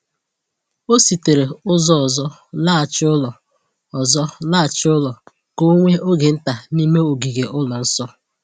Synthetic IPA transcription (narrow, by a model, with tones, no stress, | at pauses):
o˦si˨te˨ɾe˨ʊ˦zɔ˦ɔ˨zɔ˦ | la˦a˨t͡ʃɪ˦ʊ˦lɔ˨ | ɔ˨zɔ˦la˦˨t͡ʃɪ˦ʊ˦lɔ˨ | ko˦ŋʷe˦ʔo˦ɡe˨n̩˦ta˨ni˦me˦o˨ɡi˨ɡe˨ʔʊ˦lɔ˨n̩˦sɔ˦